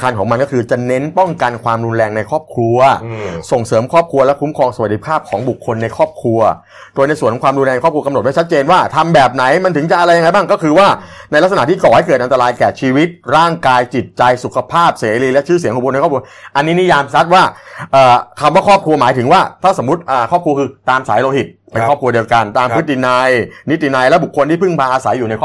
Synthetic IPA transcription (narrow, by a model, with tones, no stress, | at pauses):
kʰaː˧nkʰɔː˩˦ŋma˧nkɔː˥˩kʰɯː˧t͡ɕa˨˩ne˦˥npɔ˥˩ŋka˧nkʰwaː˧mɾu˧nɾɛː˧ŋna˧jkʰɔː˥˩p̚kʰɾu˧ɐso˨˩ŋsɤː˩˦mkʰɔː˥˩p̚kʰɾu˧ɐlɛ˦˥kʰu˦˥mkʰɔː˧ŋsa˧wa˨˩t̪̚ːi˧˥pʰaː˥˩p̚kʰɔː˩˦ŋbu˨˩kʰːo˧nːa˧jkʰɔː˥˩p̚kʰɾu˧ɐ | doː˧jna˧jskʰːɔ˨˦kwaː˧mɾu˧nlɛː˧n˧kʰɔː˥˩pkʰkmo˨˩mɛ˦˥t͡ɕa˦˥t̪̚t͡ɕeː˧nwaː˥˩t̪ʰa˧mbɛː˨˩p̚na˩˦jma˧nt̪ʰɯ˩˦ŋt͡ɕa˨˩ʔa˧ɾa˧jːa˧ŋa˧jbaː˥˩ŋkɔː˥˩kʰɯː˧waː˥˩na˧jla˥k̚sna˨t̪ʰiː˥˩kɔː˨˩ha˥˩jkɤː˨˩t̪ʔa˧nt̪ɾaː˧jkɛː˨˩t͡ɕʰiː˧wi˦˥t̪̚ɾaː˥˩ŋkaː˧jt͡ɕi˨˩t̪̚t͡ɕa˧jsu˨˩kʰa˧pʰaː˥˩p̚seː˩˦ɾiː˧lɛ˦˥ʔt͡ɕʰɯː˦˥˩si˨˦ŋu˨˩kʰo˧n˧kʰɔː˥˩kʰʔa˧nːiː˦˥ni˦˥jaː˧msa˦˥t̪̚waː˥˩ʔɤː˨˩k̪ʰa˧mwaː˥˩kʰɔː˥˩p̚kʰɾu˧ɐmaː˩˦jt̪ʰɯ˩˦waː˥˩t̪ʰaː˥˩so˩˦mɾu˦˥t̪̚ʔəː˨˩kʰɔː˥˩p̚kʰu˧ɐkʰɯː˧t̪aː˧msa̰ː˩˦jloː˧hi˨˩t̪̚pe˧nʰɔː˥˩p̚kʰu˧di˧wka˧nt̪aː˧mpʰɯ˦˥t̪̚ːi˨˩na˧jni˦˥t̪̚ːi˨na˧jlɛ˦˥bu˨˩kʰːo˧nt̪ʰiː˥˩pʰɯ˥˩ŋpʰaː˧ʔaː˧sa˩˦jːuː˨˩na˧jkʰɔː˥